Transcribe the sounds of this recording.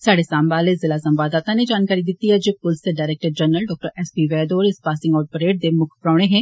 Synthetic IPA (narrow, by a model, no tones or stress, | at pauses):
saːɽesaːmbaːlezɪlasɐ̃mbaːd̪aːt̪aned͡ʒaːnkaːɾid̪ɪt̪iɦɛd͡ʒeːpʊlseɖaːɪɾɛːk̚ʈəɾd͡ʒɐnːəlɖɔːk̚ʈəɾɛːspiʋɛːd̪oːɾɪspaːsɪ̃ŋɡɔːɖ̚pəɾeːʈ̚d̪emʊkʰpɾaːɽ̃eɦɛ̃ː